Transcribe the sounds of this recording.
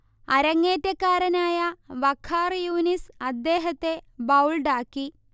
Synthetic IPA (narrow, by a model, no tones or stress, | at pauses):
ɐɾɐŋːeːtːɐkːaːɾɐnaːjɐʋɐkʰːaːrjuːnisɐd̪ːeːɦɐt̪ːe̞bɐwlɖaːkːi